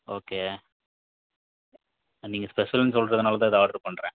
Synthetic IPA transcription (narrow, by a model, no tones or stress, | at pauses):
oːkeː | niːŋɡɐspɛʂɐlnːsɔlɾɐðɯnaːlɐt̪ãːɪðaːɽt̪ːɯpːɐɳɖɾẽː